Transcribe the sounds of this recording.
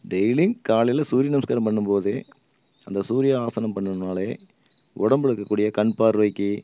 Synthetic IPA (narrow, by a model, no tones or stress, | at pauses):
ɖɛjlɪŋɡkaːlɪlɐsuːɾɪjɐnɐmskaːɾɐmpɐɳːɯmpoːðɯ | ɐnd̪ɐsuːɾɪjaaːsɐnɐmpɐɳːɯnaːleː | ʔɔ̰ɽɐmbɛɽɯkːɐkːuːɽɪjɐkɐɳpaːɾʋɐɪkːɯ